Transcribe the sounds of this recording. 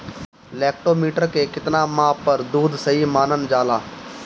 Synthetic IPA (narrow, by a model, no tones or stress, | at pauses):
lɛːkʈoːmiːʈəɾkeːkɪt̪naːmãːpəɾd̪uːd̪səɦiːmaːnənd͡ʒaːlaː